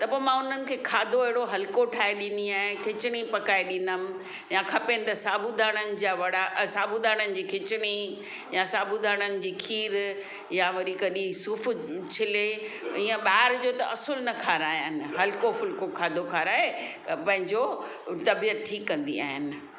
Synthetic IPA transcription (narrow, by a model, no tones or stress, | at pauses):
t̪ɐpoːemãʊn̤ənɪ̆kʰeːkʰaːd̪ʱoeɦɪɽoɦɐlkoʈʰaːeɗĩn̆d̪iaːɦẽkʰɪt͡ɕɪɽ̃ipɐkaːeɗĩn̆d̪əmɪ̆ | jakʰɐpenɪt̪ɐsaːbud̪aːɽ̃ənɪ̆d͡ʑaːʋɐɽasaːbud̪ʱaːɽ̃ənɪ̆d͡ʑiːkʰɪt͡ɕɪɽ̃i | jasaːbʱud̪ʱaːɽ̃ənɪ̆d͡ʑiːkʰiːɾ | jaʋɐɾikɐɗisʊːft͡ɕʰɪle | iːə̃ɓaːɪɾd͡ʑoːt̪ɐʔɐsʊlnɐkʰaːɾaːɦijanɪ̆ɦɐlkofʊlkokʰaːd̪ʱokʰaːɾaːɦe | pɐ̃ɦɪ̃ɲd͡ʑo | t̪ɐbijət̪̚ʈʰiːkːɐ̃nd̪ḭa̰ːɦɪnɪ̆